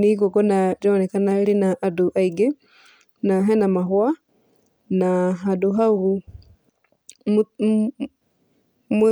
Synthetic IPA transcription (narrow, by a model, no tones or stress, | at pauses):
niɡokonad͡ʒɔnekanaɾinaʔːduʔaiɡe | naɦɛnamaɦwa | naɦaduɦauɣu | m